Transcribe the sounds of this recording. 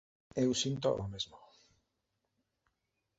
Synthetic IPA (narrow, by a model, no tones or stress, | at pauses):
ewsint̪o̰ʔomezmo